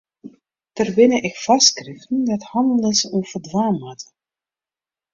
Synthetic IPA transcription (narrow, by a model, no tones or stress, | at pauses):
tərbɪnəʔɪkfɑskrɪftən̩dɔthɑndəlˠɪsufərdwaːmɦatə̥